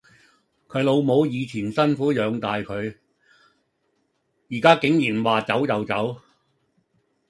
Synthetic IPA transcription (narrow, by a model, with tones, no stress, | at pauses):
kʰɵ˨˧˥ɥlo˨˧wmo˨˧wjiː˨˧t͡sʰiː˨˩nsɐ˥nfuː˨˥jœː˨˧ŋt̪aː˨jkʰɵ˨˧ɥ | jiː˨˩kaː˥kɪ˨˥ŋjiː˨˩nwaː˨t͡sɐ˨˥wjɐ˨wt͡sɐ˨˥w